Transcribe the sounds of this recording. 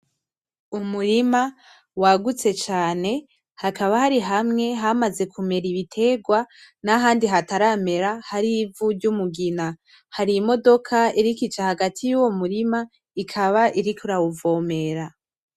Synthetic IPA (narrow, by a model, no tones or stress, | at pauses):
umuɾima | waɡut͡se̞t͡ʃaːne̞ | hakaβahaɾiɦamŋe̞ɦamaze̞kʰume̞ɾiβitʰe̞ːɡwanaɦaːndiɦataɾame̞ɾahaɾivuɾɟumuɡina | haɾimo̞do̞kʰaiɾikit͡ʃahaɡatʰijuwo̞muɾima | ikʰaβaʔiɾikʰuɾauvo̞ːme̞ɾa